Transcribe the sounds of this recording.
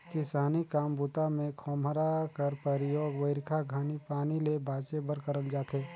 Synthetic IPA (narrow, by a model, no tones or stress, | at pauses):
kɪsaːnikaːmbʊt̪amẽkʰɔːmɾakəɾpəɾɪjoːɡʋəɪɾkʰaɡʱaːnipaːnilebʱaːt͡ʃebəɾkəɾəld͡ʒaːt̪ɦeː